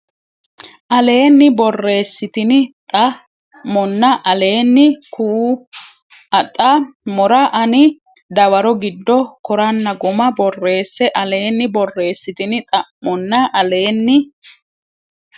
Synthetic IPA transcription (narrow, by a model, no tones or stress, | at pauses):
ʔɐle̞ːnːɪbɔrːe̞ːsːɪt̪ɪnɪt̪ʼɐ | mɔnːɐʔɐle̞ːnːɪku | ɐt̪ʼːɐmɔɾɐʔɐnɪ | d̪ɐwɐɾɔɡɪd̪ːɔkɔɾɐnːɐɡʊmɐbɔrːe̞ːsːɛʔɐle̞ːnːɪbɔrːe̞ːsːɪt̪ɪnɪt̪ʼɐmːɔnːɐʔɐle̞ːnːɪ